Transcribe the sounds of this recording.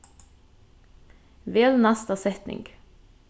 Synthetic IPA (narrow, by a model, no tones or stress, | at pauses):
ʋeːlnɑst̪ɑsɛt̪nɪ̰ŋɡ